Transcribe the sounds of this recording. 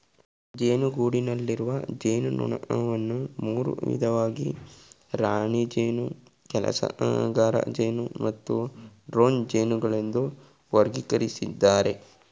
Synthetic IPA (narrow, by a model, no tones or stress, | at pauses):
d͡ʒeːnuɡuːɽinɐlːiɾuʋɐd͡ʒeːnunṵɳɐʔɐʋɐnːumuːɾṵʋḭd̪ʱɐʋaːɡi | ɾaːɳid͡ʒeːnu | kɛlɐ̰sɐ̰ʔɡaːɾɐ̰d͡ʒeːnumɐt̪ːuɖɾoːnd͡ʒeːnuɡɐɭe̞nd̪u | ʋɐɾɡikɐɾisid̪ːaːɾe̞